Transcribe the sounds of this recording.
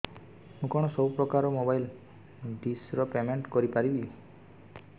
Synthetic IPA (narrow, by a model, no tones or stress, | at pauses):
mũkɔɽ̃ɔsɔbwpɾɔkaɾɔmobajl | ɖisɾɔpemeɳʈkɔɾipaɾibi